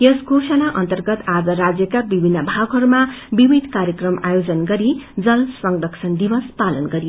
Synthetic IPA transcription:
jʌsɡʱosʌnaʔʌnt̪ʌrɡʌt̪ad͡zʌɾad͡zjʌkabibʱinːʌbʱaɡɦʌɾumabibid̪ʱkaɾjʌkrʌma̰jod͡zʌnɡʌɾid͡zʌlsʌŋdʌksʰʌnd̪ibʌspalʌnɡʌɾij

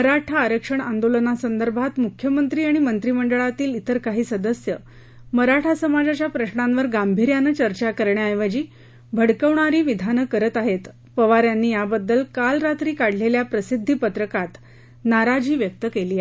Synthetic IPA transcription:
məɾaʈʰaːɾəkʂəɳand̪olənasənd̪əɾbʱat̪mukʰːjəmənt̪ɾiːaɽ̃imənt̪ɾiməɳɖəɭat̪iːlit̪əɾkaɦiːsəd̪əsjə | məɾaʈʰasəmad͡zat͡ɕjapɾəɕɳamʋəɾɡambʱiɾjanət͡ɕəɾt͡ɕakəɾɳjaajʋəd͡ʑiː | bʱəɽkəʋɳaɾiːʋid̪ʱanəkəɾət̪aɦet̪ | pəʋaɾjanːiːjabəd̪ːəlkalɾat̪ɾiːkaɽ̤leljapɾəsid̪ʱːipət̪ɾəkat̪ | naɾad͡ʑiːʋjək̚t̪əkeliːaɦe

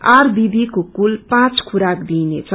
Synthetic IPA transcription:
aɾbib̪ʱikokulpãt͡skʰuɾakd̪inet͡sʰʌ

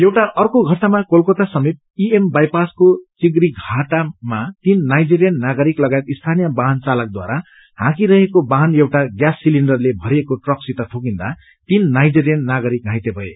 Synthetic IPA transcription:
jewʈaʔʌrkoɡʱʌsamakolkot̪asʌmit̪̚ | iembajpaskot͡siɡɾiɡʱaʈamat̪inːajd͡ziɾijʌnnaɡʌɾiklʌɡaet̪ist̪ʰanijʌbaɦʌnt͡salʌk̚d̪wa̰ɾa | hã̰kiɾʌɦekobaɦʌnewʈaɡjasːiliɳɖʌrlebʱʌɾiekoʈrʌksit̪ʌt̪ʰokind̪a | t̪inːajd͡ziɾijʌnːaɡʌɾik̚ɦãjt̪ebʱʌe

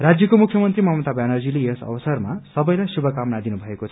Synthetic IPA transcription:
rad͡zjʌkomukʰjʌmʌnt̪rimʌmʌt̪abanʌrd͡zileesʌ̰wʌsʌrmasʌbʌjlajsubʱʌkamnad̪inubʱʌekot͡sʰʌ̥

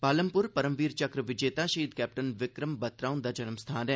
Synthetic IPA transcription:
paːləmpʊɾpɐɾəmʋiːɾt͡ʃɐkɾəʋɪd͡ʒeːt̪aːʃɐiːd̪̚kɛːp̚ʈənʋɪkɾəmbɐt̪ɾaːund̪aːd͡ʒɐnəmst̪ʰaːnɛ̃

